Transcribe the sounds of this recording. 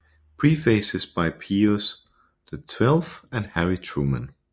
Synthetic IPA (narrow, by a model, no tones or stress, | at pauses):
pʰɹ̥ifeɪsɨzb̥aɪpʰiəs | ðɨtʰw̥ɛlˠθɨ̃nhæɹitʰɹ̥umə̰̃n